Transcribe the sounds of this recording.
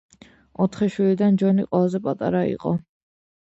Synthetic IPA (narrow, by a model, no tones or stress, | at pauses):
ɔt̪ʰχɛʃwilid̪and͡ʒɔniqʼwɛlˠazɛpʼat̪ʼaɾaḭqʼɔ